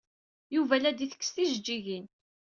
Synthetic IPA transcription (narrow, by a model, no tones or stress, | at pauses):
juvælæd̪iθə̥kːsθiʒd͡ʒːiʝin